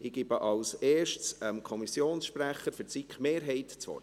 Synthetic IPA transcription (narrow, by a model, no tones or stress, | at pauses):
ʔɪɡ̥ɪbəʔɑlseːʃtsəmkʰɔmisjoːnsʃpɾæχəɾfʏɾt͡sikχmeːɾɦɛɪtt͡sʋɔ̰r